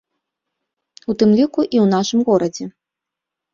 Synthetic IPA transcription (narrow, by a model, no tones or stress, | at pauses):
ut̪ɨmlʲikuʔiwn̪aʂɨmɣɔɾɐd͡zʲɛ